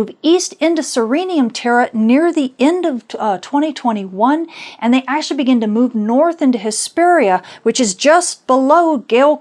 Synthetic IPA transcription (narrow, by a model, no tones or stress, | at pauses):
vistɪ̃ntɨsə˞ĩniɨ̃mtʰɛɹɨnɪɹðiɛ̃ndʌv̥tʰw̥ɛ̃ɾ̃itʰw̥ɛ̃ɾ̃iwʌ̃nʔɨ̃nðeɪʔæk̚t͡ʃl̩ˠibɨɡɪ̃ntɨmuvnɔɹθɪ̃ntʉɦɨspɛɹiɨwɨt͡ʃɨzd͡ʒʌsb̥əloʊɡeɪlˠ